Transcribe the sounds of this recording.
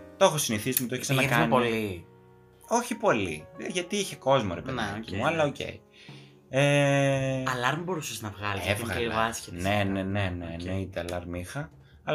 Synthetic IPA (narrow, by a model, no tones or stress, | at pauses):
t̪o̞xosiniθismet̪oeçesenɐkɐnpoli | o̞çipo̞lḭʝɐt̪iiçe̞ko̞zmo̰ɾe̞peðcimuɐlɐoce̞̰i | e | ɐlɐɾmbo̞ɾusɐsznɐvɣɐlisevɣɐɐscene̞neneneneit̪eɐlɐɾmixɐ | ɐl